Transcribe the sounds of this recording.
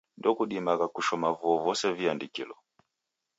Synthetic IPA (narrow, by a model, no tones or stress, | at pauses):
ndɔkuɗimakakuʃɔmavuɔvɔsɛviandikḭlɔ